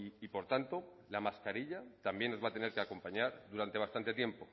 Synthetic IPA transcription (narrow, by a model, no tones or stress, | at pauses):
ipo̞ɾt̪ant̪o̞ | lamaskaɾiʎat̪ambje̞nozβat̪e̞ne̞ɾkeako̞mpaɲaɾðuɾant̪east̪ant̪e̞t̪je̞mpo̞